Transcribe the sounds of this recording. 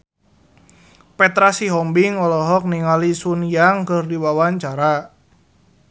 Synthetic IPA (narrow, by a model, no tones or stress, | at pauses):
pɛt̪ɾasiɦɔmbiŋɔlɔɦɔk̚niŋalisuniaŋkɨrdiwawaɲt͡ʃaɾa